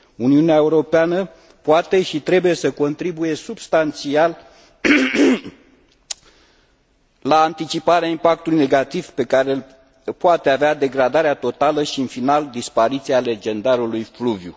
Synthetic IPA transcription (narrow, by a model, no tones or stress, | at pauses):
uniuneae̞uɾo̞peanə | poat̪e̞ʃit̪ɾe̞buje̞səko̞nt̪ɾibuje̞subst̪ant̪sial | aːnt̪it͡ʃipaɾeaimpak̚t̪ulujne̞ɡat̪iv̥pe̞kaɾel | poat̪eavead̪e̞ɡɾad̪aɾeat̪o̞t̪aləʃiɨnfinald̪ispaɾit̪siale̞d͡ʒe̞nd̪aɾulujfluvju